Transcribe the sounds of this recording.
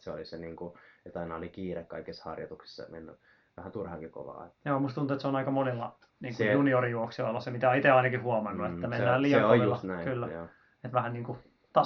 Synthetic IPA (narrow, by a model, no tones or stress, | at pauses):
seoliseniːŋkuet̪ɑinɑolikiːrekkɑikesːhɑ̰rjɑ̰t̪uksi̥sːɑ̰menːy | ʋæhænt̪urhɑkiko̰ʋɑ̰ːejoːmust̪unt̪uet̪seonɑikɑmonelːɑ̰ | niːŋujuniorijuoksiolːɑsemit̪æonit̪eɑinɑkihuomɑnːuet̪ːæmenːæːlioeulːɑst̪næikylːæjo | et̪ʋæhænniːŋku | t̪ɑ